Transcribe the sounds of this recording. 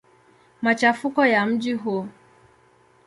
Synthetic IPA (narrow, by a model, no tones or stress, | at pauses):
mat͡ʃafukɔjam̩d͡ʒiɦu